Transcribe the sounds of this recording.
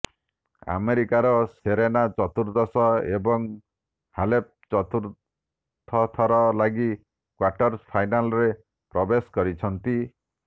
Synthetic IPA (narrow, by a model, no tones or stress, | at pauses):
a̰meɾikaɾɔseɾenat͡ʃɔt̪uɾd̪ɔsɔebɔŋ | halep̚t͡ʃɔt̪uɾ | t̪ʰːɔt̪ʰɔɾɔlaɡi | kwaʈɔɾspʰajnalɔɾe | pɾɔbeskɔɾit͡ʃʰɔnt̪i